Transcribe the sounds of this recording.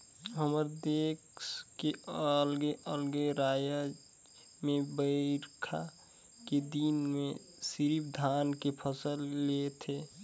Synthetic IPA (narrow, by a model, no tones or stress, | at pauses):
ɦəməɾd̪eːkskeəlɡeʔəlɡeɾaːja | mẽbəɾkʰa | ked̪inmẽ | siɾipd̪ʱaːnkepʰəsəlːet̪ʰe